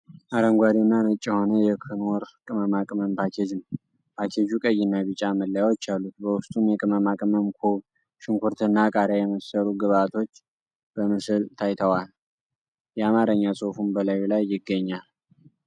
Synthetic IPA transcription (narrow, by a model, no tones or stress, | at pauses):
ʔaɾəŋɡʷad̪inːanət͡ʃʼːɛho̞nəjɛkʰɨnwɔɾkʼɨməmakʼməmpʰakʰed͡ʒɨn | pʰakʰed͡ʒukʼəjːɪnːaβɨt͡ʃʼaməlːəjawot͡ʃːalːut̪̚bəwʊst̪ʼumjɛkʼɨməmakʼməmkʰuβ | ʃɪŋkʷʰuɾt̪ʰɨnːakʼaɾjajɛməsəɾuɡɨβat̪ʰo̞t͡ʃː | b̥əmɨsɨlt̪ʰajt̪ʰəwal | jɛamaɾəɲːasʼofunbəlajulajːɪɡːəɲːal